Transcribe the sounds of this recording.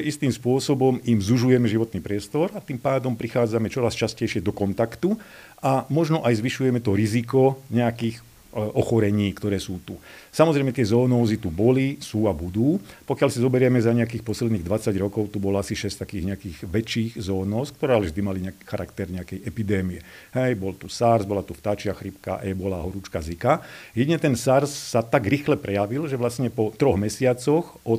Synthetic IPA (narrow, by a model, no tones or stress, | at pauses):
ist̪iːmspʊɔsɔbɔmimzuʒujɛmɛʒiʋɔt̪niːpɾɪɛst̪ɔɾat̪impaːd̪ɔmpɾixaːd͡zamɛt͡ʃɔɾast͡ʃascɛjʃɪɛd̪ɔkɔnt̪akt̪u | ʔamɔʒnɔʔajzʋiʃujɛmɛt̪ɔɾizikɔɲɛakiːx | ɔxɔɾɛɲiːkt̪ɔɾɛːsuːt̪u | samɔzɾɛjmɛt̪ɪɛzɔːnɔːzit̪ubɔlisuːabud̪uːpɔkɪalsazɔbɛɾɪɛmɛzaɲɛakiːxpɔslɛd̪niːɣd̪ʋat͡saɟɾɔkɔʊt̪ubɔlɔasiʃɛst̪akiːɣɲɛakiːɣʋɛt͡ʃːiːɣzɔːnɔːsk̚t̪ɔɾɛːalɛvʒd̪imaliɲɛaki̥xaɾakt̪ɛɾɲɛakɛjɛpid̪ɛːmiɛ | ɦɛjbɔlt̪usaɾzbɔlat̪uft̪aːt͡ʃɪaxɾipka̰ʔjɛbɔlaɦɔɾut͡ʃkazikajɛɟ̪iɲɛt̪ɛnsaɾsːat̪aɡɾixlɛpɾʔɛjaʋilʒɛʋlasɲɛpɔt̪ɾɔɣmɛsɪat͡sɔx | ɔt